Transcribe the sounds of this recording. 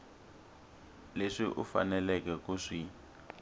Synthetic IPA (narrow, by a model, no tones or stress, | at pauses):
leʂiʔufa̰nɛlɛkɛkuʂi